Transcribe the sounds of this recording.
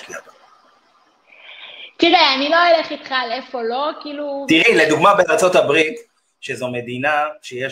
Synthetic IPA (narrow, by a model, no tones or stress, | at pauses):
lia̰da | t̪idajaniloeleχit̪χalefolo̞kiːlut̪iʁiled̪uɡmabenaʁt͡so̞t̪abʁit̪ | ʃezo̞med̪inaʃejeʃ